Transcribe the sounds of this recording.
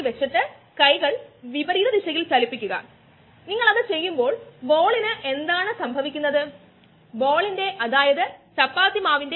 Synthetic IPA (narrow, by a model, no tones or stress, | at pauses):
ʋet͡ɕːiʈːɨ | kɐjɣɐɭʋibɐɾiːðɐd̪iʂɐɣilt͡ɕɐlipːikʲːuɣɐ̰ | niŋːɐɭɐðɨt͡ɕe̞jːumbo̞ːɭbo̞ːɭinɨʔe̞nd̪aːɳɨsɐmbʱɐʋikʲːunːɐðɨ | bo̞ːɭinde̞ʔɐðaːjɐðɨt͡ɕɐpːaːt̪imaːʋinde